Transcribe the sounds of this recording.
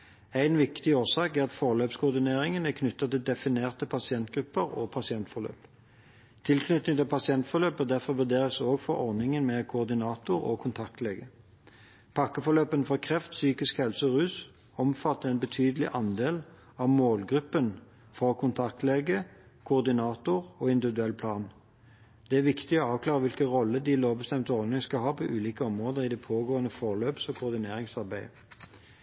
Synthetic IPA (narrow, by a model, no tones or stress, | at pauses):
æɪnʋɪkt̪ɪoːsɑːkæʁɑt̪fɔʁløːpskʰʊːʁd̪ɪneːʁɪŋənækʰnʏt̪ːɑt̪ɪld̪ɛfɪneːʁt̪ʰɪpʰɑsɪɛnt̪̚ɡʁʉpːəʁɔpʰɑsɪɛnt̪fɔʁlø̰ːp | t̪ʰɪlkʰnʏt̪nɪŋt̪ʰɪlpʰɑsɪɛnt̪fɔʁløːpəd̪æʁfɔʁʋʉd̪eːʁəsoːɡfɔʁɔʁnɪŋənmɛkʰʊɔʁd̪ɪnɑːt̪ʊɾo̰kʰʊnt̪ʰɑk̚t̪leːɡə | pʰɑkːəfɔʁløːpənfɔkʰʁɛft̪syːkɪskhɛlsəɔʁʉːs | ɔmfɑt̪ːəɛnbət̪ʰyːd̪əlɪʔɑnd̪eːl | ɑʋmoːlɡʁʉpːən | fɔkʰʊnt̪ʰɑk̚t̪leːɡə | kʰʊːʁd̪ɪnɑːt̪ʊʁɔːɪnd̪ɪʋɪd̪ʉɛlːpʰlɑːn | d̪̥ɛæʁʋɪkt̪ɪɔɑːʋkʰlɑːʁəʋɪlkəʁɔlːəd̪ɪloːʋbəst̪ɛmt̪ɔʁd̪ɪŋskɑlɦɑːpʰɔʔʉːliːkəɔmʁoːd̪əʁɪd̪ɛpʰoːɡoːənəfɔʁløːpsɔkʰʊːʁd̪ɪneːʁɪŋsɑʁbæɪ